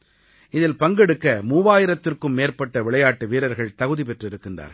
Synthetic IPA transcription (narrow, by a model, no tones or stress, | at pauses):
ɪðɪlpɐŋɡɛɽɯkːɐmuːʋaːjɪɾɐt̪ːɪrkɯmːeːɾpɐʈːɐʋɪɭɐjaːʈːɯʋiːɾɐɾɣɐɭt̪ɐɣɯðipɛʈrɪɾɯkːɪndra̰ːɾ